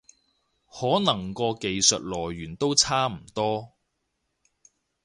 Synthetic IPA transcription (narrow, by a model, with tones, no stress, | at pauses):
hɔː˨˥nɐ˨˩ŋkɔː˧ke˨jsɵ˨t̚lɔː˨˩jɥyː˨˩nt̪o˥wt͡sʰaː˥m̩˨˩t̪ɔː˥